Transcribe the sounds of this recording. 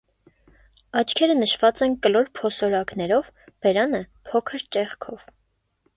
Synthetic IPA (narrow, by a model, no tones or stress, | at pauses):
ɑt͡ʃʰkʰɛɾənəʃvɑt͡sɛnkəlɔɾpʰɔsɔɾɑknɛɾɔv | b̥ɛɾɑnə | pʰɔkʰəɾt͡ʃɛχkʰɔv̥